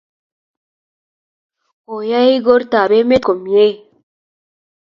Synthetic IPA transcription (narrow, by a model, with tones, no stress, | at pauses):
o˨ja˦i˦ɡo˦ɾta˨βe˦me˦ko˨mje˦